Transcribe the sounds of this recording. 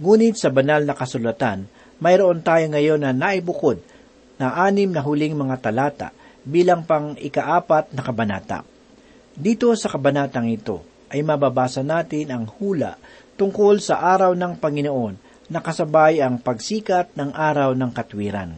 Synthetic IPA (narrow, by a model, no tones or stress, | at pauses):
ŋuːnɪt̪̚sɐbɐnalnɐkɐsʊlɐt̪an | mɐjɾoʔo̞nt̪aːjoŋɐjo̞nːɐnaʔɪbʊkod̪̚ | nɐʔaːnɪmnɐɦʊlɪŋmɐŋat̪ɐlaːt̪a̰ʔ | biːlɐŋpɐŋɪkɐʔaːpat̪̚nɐkɐbɐna̰ːt̪a̰ | d̪iːt̪o̞sɐkɐbɐnaːt̪ɐŋɪt̪o̞̰ | ʔɐjmɐbabaːsɐnaːt̪ɪnɐŋhuːlɐ̰ʔ | t̪ʊŋko̞lsɐʔaːɾɐwnɐŋpɐŋɪnoʔo̞nː | ɐkɐsɐbajɐŋpɐɡsiːkɐt̪̚nɐŋʔaːɾɐwnɐŋkɐt̪wiːɾɐ̰n